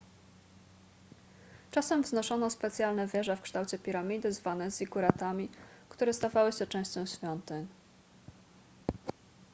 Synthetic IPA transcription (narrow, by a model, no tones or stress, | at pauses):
t͡ʂasɛmvznɔʂɔnɔspɛt̪sʲjalnɛvʲjɛʐɛfkʂt̪awt͡ɕɛpʲiɾamʲid̪ɘzvanɛziɡuɾat̪amʲikt̪uɾɛst̪avawɘɕɛt͡ʂɛ̃w̃ɕt͡ɕɔ̃w̃ɕfʲjɔnt̪ɛɲ